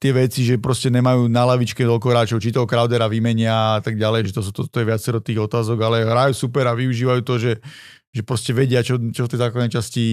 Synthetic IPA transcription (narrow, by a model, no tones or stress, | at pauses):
t̪ɪɛʋɛt͡siʒɛpɾɔscɛɲɛmajuːnalaʋit͡ʃkɛt̪ɔlkɔɦɾaːt͡ʃɔʊt͡ʃit̪ɔɦɔkɾaʊd̪ɛɾaʋimɛɲɪaat̪aɡ̚ɟalɛjʒɛt̪ɔs̬ut̪ɔt̪ɔjɛʋɪat͡sɛɾɔt̪iːɣɔt̪aːzɔɡalɛɦɾajusupɛɾaʋiuʒiːʋajuːt̪ɔʒɛ | ʒɛpɾɔscɛʋɛɟɪat͡ʃɔt͡ʃɔft̪ɛjzaːklad̪nɛjt͡ʃasci